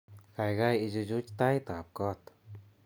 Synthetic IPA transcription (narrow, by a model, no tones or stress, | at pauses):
kajɡajid͡ʒud͡ʒut͡ʃt̪ajt̪ap̚kɔt̪